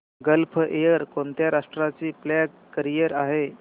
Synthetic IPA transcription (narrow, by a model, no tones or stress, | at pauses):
ɡəlpʰʔejəɾkont̪jaɾaʂʈɾat͡ɕiːplæɡːəɾijəɾaɦe